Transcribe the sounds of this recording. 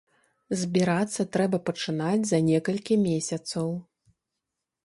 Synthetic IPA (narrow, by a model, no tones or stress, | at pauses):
zʲbʲiɾat̪sːɐt̪ɾɛbɐpɐt͡ʂɨnad͡zʲzɐnʲɛkɐlʲkʲimʲesʲɐt̪sɐw